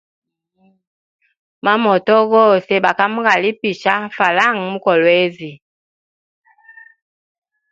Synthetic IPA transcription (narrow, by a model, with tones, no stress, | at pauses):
ma˦mɔ˨tɔ˦ɣɔ˦˨se˦ɓa˨ka˦mu˦ɡa˨li˦pi˨ʃa˦fa˨la˦˨ŋ˨mu˦kɔ˨lwe˦zi˨